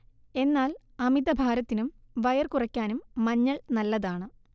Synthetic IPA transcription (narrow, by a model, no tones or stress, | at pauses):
e̞nːaːlɐmid̪ɐbʱaːɾɐt̪ːinum | ʋɐjɐrkurɐkʲːaːnumːɐɲːɐɭnɐlːɐðaːɳɨ